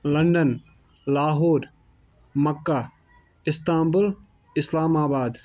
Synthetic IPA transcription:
lɐɳɖən | laːɦoːɾ | mɐkːa | ɪst̪aːmbʊl | ɪslaːmaːbaːd̪

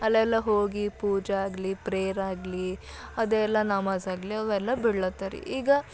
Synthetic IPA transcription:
ɐlːɐɛlːɐɦoːɡipuːd͡ʒeaːɡlipɾejɐɾaːɡli | ɐd̪eːlːɐnaːmaːsaːɡliɐʋɛlːɐbiɽɐɭɐt̪ːaɾḭʔiːɡɐ

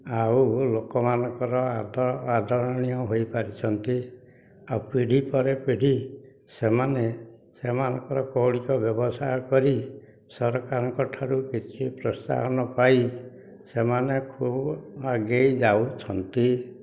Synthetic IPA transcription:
aulokɔmanɔŋkɔɾɔad̪ʱad̪ʱɔɾɔɽ̃iɔɦojpaɾit͡ʃʰɔnt̪i | aupiɽ̤ipɔɾepiɽ̤i | semane | semanɔŋkɔɾɔkɔwɽikɔbjɔbɔsajɔkɔɾi | sɔɾkaɾɔŋkɔʈʰaɾukit͡ʃʰipɾɔst̪a̰ɦɔnɔpai | semanekʰubaɡejd͡ʒawt͡ʃʰɔnt̪i

